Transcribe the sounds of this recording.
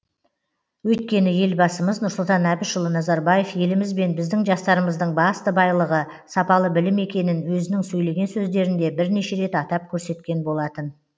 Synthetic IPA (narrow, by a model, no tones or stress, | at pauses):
wɵjt̪̚kʲe̞nɪje̞lbɑsəməznʊɾsʊlˠt̪ɑnæbɪʃʊlˠənɑzɑɾbɑje̞fje̞lɪmɪzbe̞nbɪzd̪ɪŋʒɑst̪ɑɾəməzd̪əɴbɑst̪əbɑjlˠəʁə | sɑpɑlˠəbɪlɪme̞kʲe̞nɪnwɵzɪnɪŋsɵjle̞ɡʲe̞nsɵzd̪e̞ɾɪnd̪e̞bɪɾne̞ʃe̞ɾe̞t̪ɑt̪ɑp̚kʲʰɵɾse̞t̪kʲe̞nbo̞lˠɑt̪ən